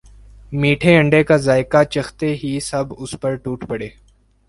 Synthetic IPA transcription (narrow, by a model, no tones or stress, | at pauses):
miːʈʰeɐ̃ɳɖekazaːɪkat͡ʃɐxt̪eɦisɐbʊspəɾʈuːʈʰpɐɽeː